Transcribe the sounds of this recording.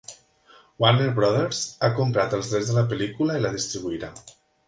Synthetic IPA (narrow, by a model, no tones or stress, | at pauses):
waneɾβɾɔðeɾzakompɾat̪əlˠzðɾɛzðələpəlikuləiləðist̪ɾiβ̞uiɾa